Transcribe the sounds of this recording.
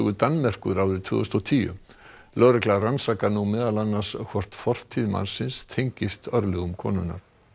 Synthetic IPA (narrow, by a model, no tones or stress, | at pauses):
ɣʏt̪anːmɛr̥kʏɾawɾɪɾt̪ʰʏ̰ːðʏst̪ɔt̪ʰiːjʏ̰ | lœːɾɛklaransakanumɛːðalanːaskʰvɔr̥t̪fɔr̥t̪ʰːiðma̰nsɪnst̪ʰejɲcɪst̪œɾlɛɣʏmkʰɔ̰ːnʏna̰ɾ̥